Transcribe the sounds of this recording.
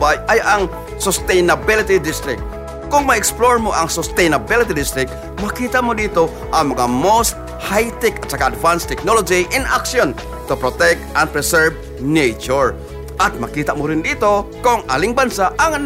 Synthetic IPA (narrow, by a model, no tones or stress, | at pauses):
bajʔajaŋ | sost̪ɛjnabɪlɪt̪id̪ɪst̪ɾɪk̚t̪̚ | kʊŋmɐɪksploɹmoʔaŋsost̪ɛjnabilɪt̪ɪd̪ɪst̪ɾɪk̚t̪ | mɐkiːt̪aʔmod̪iːt̪o | ʔaŋmɐŋamost̪̚ | hajt̪ɪkat̪sakaːd̪vanst̪ɛk̚nolod͡ʒiʔɪnakʃon | t̪ʊpɾot̪ɛk̚t̪an̚pɾɛsɛɹv | nejt͡ʃʊɹ | ʔat̪̚mɐkiːt̪aʔmʊɾɪnd̪iːt̪okoŋʔa̰ːlɪŋbansaʔaŋ